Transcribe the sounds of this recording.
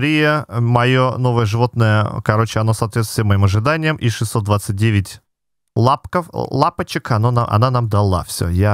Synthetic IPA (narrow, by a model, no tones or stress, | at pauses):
ɾʲijəmɐjono̞vəjəʐɨvo̞t̪̚nəjəkɐɾo̞t͡ɕɪɐno̞sɐːt̪vʲet̪t̪ɪɪəmɐimɐʐɨd̪anʲɪjəmʔiʂɨsːot̪d̪vat̪sɨt̚ʲdʲevʲɪtʲ | lˠapkəflˠapət͡ɕɪkɐnonaʔɐ̰nanamd̪ɐlˠa̰fsʲo̰ja